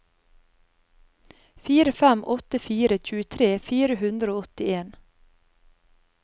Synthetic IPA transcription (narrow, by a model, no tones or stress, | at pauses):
fiːɾəfæmʔɔt̪əfiːɾəc͡çʉːət̪ʰɾeːfiːɾəhʉnd̪ɾəoːɔt̪ɪeːn